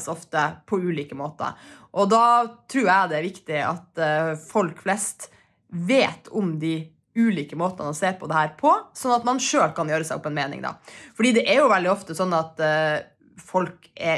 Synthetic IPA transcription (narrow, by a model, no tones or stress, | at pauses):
sɔft̪əpʰɔʉːliːkəmoːt̪ə̰ʔɔd̪ɑːt̪ʰɾuːɾjæɪd̪ɛæɾʋɪkt̪ɪɑ̰t̪fɔlkflɛst̪ | ʋeːt̪ʰʊmd̪ɪ | ʉːliːkəmoːt̪ənənɔseːɾpʰɔd̪ɛhæːɾpʰɔsɔnːɑt̪mɑnʂøːlkɑnjøːɾəsæɪɔ̰pːɛnmeːnɪ̰ŋd̪ɑ̰fɔɖiːd̪ɛʔɛɾjʊʋɛld̪ɪɔft̪əsɔnːɑt̪ | fɔlkɛ